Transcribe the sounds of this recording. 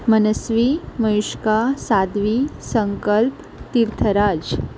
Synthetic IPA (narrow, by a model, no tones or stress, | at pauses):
mənəsʋiməjuʂkasad̪ʋisəŋkəlp | t̪iɾt̪ʰəɾad͡ʑ